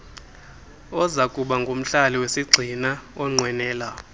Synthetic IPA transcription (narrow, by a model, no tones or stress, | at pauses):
ɔzakʼuɓaŋɡʱom̩ɬaliwesiɡ͡ǀʱinaɔŋ͡ǀʱwɛnɛːla